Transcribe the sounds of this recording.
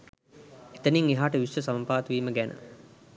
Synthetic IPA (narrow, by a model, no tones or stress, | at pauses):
et̪əniŋeɦaːʈəʋisʋəsɐmpaːt̪ʋiːməɡænə̰